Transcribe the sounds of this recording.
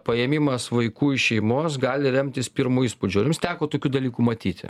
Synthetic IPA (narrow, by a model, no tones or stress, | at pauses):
pɐjɛmʲimɐsʋɐɪkuːɪʃʃʲɛɪmoːsɡɑːlʲɪɾʲɛmʲt̪ʲɪspʲiɾmuiːspud͡ʒʲʊːɾʲɪmst̪ʲæːkoːt̪oːkʲuːd̪ɐlʲiːkuːmɐt̪ʲiːt̪ʲɪ̰